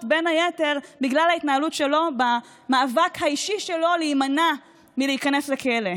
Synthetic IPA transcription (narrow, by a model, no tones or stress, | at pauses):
tbe̞nhajete̞ʁbiɡlalhait̪naɦalutʃe̞lo̞ba | maːvakhaiʃiʃelo̞liːmana | miliikane̞slekele̞